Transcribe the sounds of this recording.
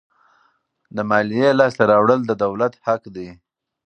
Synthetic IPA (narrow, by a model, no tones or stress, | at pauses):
d̪əmɑlijelɑst̪aɾɑwɽəld̪əd̪awlat̪hakd̪aj